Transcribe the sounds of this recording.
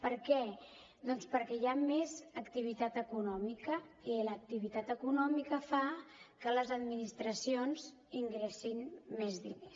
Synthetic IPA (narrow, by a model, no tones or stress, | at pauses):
pəɾkɛ | d̪ɔnspəɾkɛjamezəkt̪iβit̪at̪əkunɔmikəilək̚t̪iβit̪at̪əkunɔmikəfakələzəd̪minist̪ɾəsionz | iŋɡɾɛsinmezðḭnes